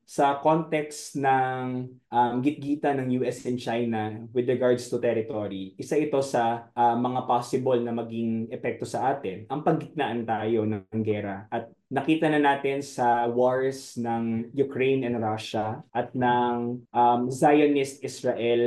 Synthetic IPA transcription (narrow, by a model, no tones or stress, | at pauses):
sɐko̞nt̪ɛksnɐŋ | ʔamɡɪt̪̚ɡiːt̪ɐnɐŋjuːʔɛsɛnt͡ʃajnɐwɪd̪ɾɛɡaɹd̪st̪ʊt̪ɛɾɪt̪oɾiʔɪsaʔɪt̪o̞sɐʔɐmɐŋapaːsɪbolnɐmɐɡiŋɛpɛk̚t̪o̞sɐʔaːt̪ɪnʔɐŋpɐɡɡɪt̪̚naʔɐnt̪aːjo̞nɐŋɐŋɡɛːɾɐʔɐt̪̚ | nɐkiːt̪ɐnɐnaːt̪ɪnsɐwoɹsnɐŋjʊkɹejnɛnɾaʃɐʔɐt̪̚nɐŋʔɐmzajonɪst̪̚ʔɪsɹɐʔɛl